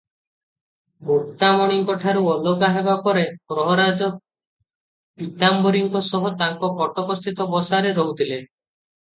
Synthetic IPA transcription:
bokt̪amɔɽ̃iŋkɔʈʰaɾuɔlɔɡaɦebapɔɾepɾɔɦɔɾad͡ʒɔ | pit̪ambɔɾiŋkɔsɔɦɔt̪aŋkɔkɔʈɔkɔst̪ʰit̪ɔbɔsaɾeɾɔɦut̪ʰile

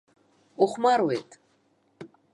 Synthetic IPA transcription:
ɔχmaɾwɛt̪ʰʼ

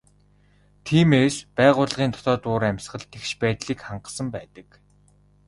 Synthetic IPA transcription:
t̪ʰiːmeːspæːʁʊːɮʁiːnt̪ʰʊ̥t̪ɔːt̪ʊːɾæmʲsχə̆ɮt̪ʰekʃpæːt̪ɮiːkχaɴɢə̆sə̆mpæːt̪ə̆k

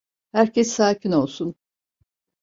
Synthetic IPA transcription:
hæɾcʰɛsːaːcʰino̞lˠsun

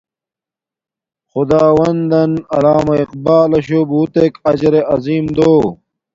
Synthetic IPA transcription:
xʊd̪aːwɐnd̪ɐnɐlaːmɐiq̚baːlɐɕobut̪ekɐd͡ʑɐɾeʔɐziːmd̪oː

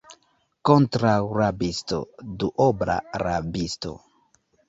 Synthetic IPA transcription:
kontɾawɾabisto̰duʔobɾa̰ɾabisto̰

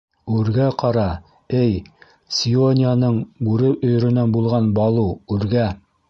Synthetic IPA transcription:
ʉɾɡæqɑɾɑ | ɘj | sʲionʲɪjanɤɴbʉɾɘpɵ̆j̆ɾɵ̆nænbulˠʁɑnbɑlˠuʉɾɡæ

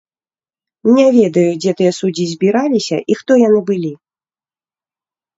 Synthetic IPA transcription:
nʲavʲɛd̪ɐjud͡zʲɛt̪ɨjɛsud͡zʲizʲbʲiɾalʲisʲɐ̰ʔixt̪ɔjanɨbɨlʲi

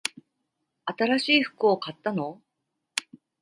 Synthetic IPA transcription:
at̪aɾaɕiːɸɯ̥kɯ̟okat̪ːano̞

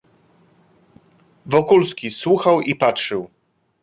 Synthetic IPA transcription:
vɔkulskʲiswuxawipatʂɘw

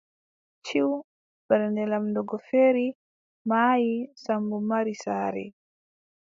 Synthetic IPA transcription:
t͡ʃiw | bɛɾɛndɛlamdɔɡɔfeːɾi | maːjisambumaɾisaːɾɛ̰

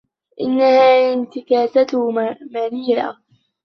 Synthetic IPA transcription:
ʔɪnːahaːʔɪnt̪ɪkaːsat̪maɾiːɾa̰

